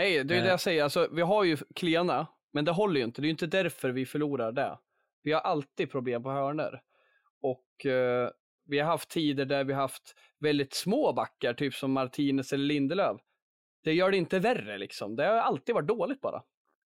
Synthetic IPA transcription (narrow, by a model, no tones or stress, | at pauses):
nɛjd̪ɛjɵd̪ɛjasɛjːəɾalsɔvɪɦaɾjɵkʰleːna | mɛnd̪ɛɦɔlːəɾjɵʏnt̪əd̪ɛjʏnt̪əd̪æɾfœɾvɪfœɭuːɾaɖɛ̰ | vɪhaɾʔalt̪iːd̪̚pʰɾʊbleːmpɔhœːɳə̰ɾ | ɔk | vɪhaɾɦaft̪ʰːiːd̪əɖæɾvɪhahaft̪ | vɛld̪ɪt̪smoːbakːaʈʰyːpsɔmːaɾt̪ʰiːnəsɛlːəɭɪnd̪əløːv | d̪̥ɛjœːɖɛɪnt̪əværːə̰lɪ̰ksɔ̰md̪ɛhaɾjalt̪ːiːd̪vaʈ̚d̪oːlɪɡ̚t̪̚bɑ̰ːɾʔa̰